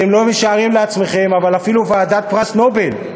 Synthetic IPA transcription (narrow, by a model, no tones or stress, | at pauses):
t̪emlo̞meʃaːʁimleat͡sme̞χe̞mavalafiluvaːd̪at̪̚pʁasno̞be̞l